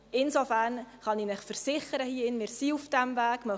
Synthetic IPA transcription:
ɪnsofæɾnχɑniːnɪχfəɾsɪχəɾəhiəɪnmɪːɾsiufd̥ɛmvæːɡ̥mœ

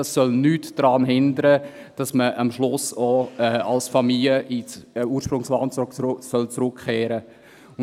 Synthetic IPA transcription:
ɑsːœlnyːtd̥ɾɑːnɦɪndəɾə | d̥ɑsməʔɑmʃlʊsoɛːɑ̰lsfɑmiljəʔit͡sːuːɾʃpɾʊŋslɑːnt͡ssœlt͡sɾʊkʰːeːɾə | ʊ

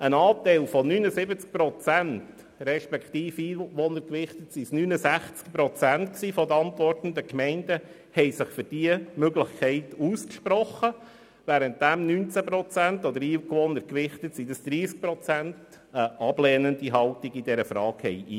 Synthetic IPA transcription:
ənɑːt̪ɛɪlfɔnynəsɪbət͡sk̚pɾɔt͡sænt | ɾɛʃpɛkχt̪iːfiːʋɔnəɾkʋɪχt̪ətsisnynəsæχt͡skpɾɔt͡sæntksiːfɔd̪əɑntʋɔrtn̩d̪əkmɛnd̥ə | hɛɪsɪχfʏɾd̥iəmøɡlɪχkʰɛɪtuːskʃpɾɔχə | ʋæːɾənt̚d̥æmnynt͡sæpɾɔt͡sæntɔd̪əɾiːkʋɔnəɾkʋɪχtətsid̥əsd̪̥ɾiːsk̚pɾɔt͡sænt | əʔɑb̥lɛːnəndiɦɑltiɡid̥ɛɾəfɾɑːkhɛ̰jʔi

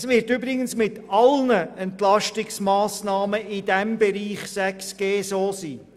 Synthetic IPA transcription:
sʋɪːɾtybɾɪɡənsmɪtɑlnəɛntlɑʃtɪksmɑːsnɑːməɪd̥ɛmbɛɾiːχsæksɡ̥eːsoːsiː

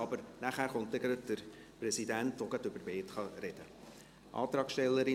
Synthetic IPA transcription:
ɑbəɾnæχæːrχɔntɛɡɾəd̥əɾ | prɛsidæntvoɡətøbəɾbeːtχɑrɛd̥ə | ʔɑ̰ːt̪rɑːkʃtɛlːəɾɪ

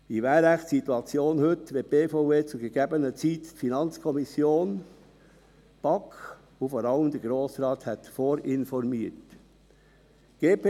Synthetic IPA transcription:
d̥ivɛːɾæχtsituɑt͡sjoːnhʏtʋeb̥eːfoeːt͡suɡəɡeːbənət͡siːtfinɑnt͡skʰɔmisjoːn | b̥ɑk | vofoːɾɑləmd̪ɛɾɡ̥ɾoːsɾɑːt̪hat̪foːɾʔɪnfɔɾmiːt | ɡ̥eːpː

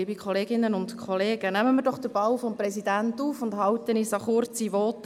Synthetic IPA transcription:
iːbikʰχɔleːɡɪnːənʊntkʰχɔleːɡ̥ənæməmiːɾdɔχd̥əɾb̥ɑwfɔmprɛsidæntuːfʊndhɑwt̪ənisɑχʊrt͡siʋɔːt̪

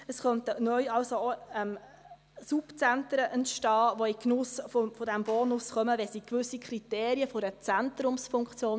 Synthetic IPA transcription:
əsχœntənœʏɑlsooɛm | supt͡sæntəɾəʔɛntʃtɑːʋoiknʊsfofɔdæmb̥oːnʊsχœməʋɛsikʋʏsikʰɾit̪eːɾiəfɔɾət͡sænt̪ɾʊmsfʊŋkt͡sjoːn

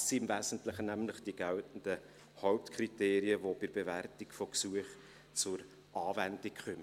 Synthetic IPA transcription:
siɪmvæːzən̩tləχənæmləχd̥iɡæltn̩d̥ə | hɔʊp̚tkʰriteːɾiəvob̥ɪɾbeværtikfoksuəχ | t͡sʊɾ | ʔɑːvɛndikχœmə

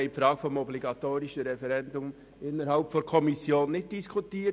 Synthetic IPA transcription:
eɪpfɾɑːɡ̥fɔmɔbliɡɑtoːɾɪʃəɾɛfɛɾɛndʊm | ɪnəɾhalpfɔkʰɔmisjoːnːɪt̚d̥iskʰutiː

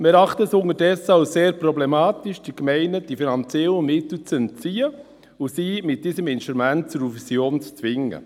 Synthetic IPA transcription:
mɾɑχtəɛsʊŋəɾdɛsːəaʊseːɾpɾɔblemɑːt̪iʃd̥ikmɛɪnəd̥ifinɑnt͡sɛləmɪt̪l̩t͡sənt͡siːə | usiːmɪt̚d̥iːsəmɪnʃtɾumænt̚t͡sʊɾufisjoːnt͡st͡sʋɪŋə̰

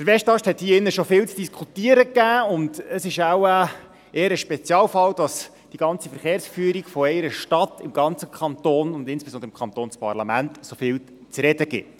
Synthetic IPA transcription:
d̥əɾʋɛʃtɑʃthɛt̪hiːəɪnːəʃofɪːlt͡sd̥iskʰutiəɾəkːæːʊndəsɪʃawə | eːəɾəʃpɛt͡sjɑːlfɑld̥ɑs | d̥iɡ̥ɑnt͡sifəɾχeːɾsfyəɾiɡfɔɛɪɾəʃtɑt̪ɪmɡɑnt͡səkʰχɑnt̪oːnʊndɪnsb̥esɔnd̪əɾɪmkʰχɑnt̪oːnspɑ̰rlɑmæntsofɪːl | t͡sɾɛdəɡɪ̰t

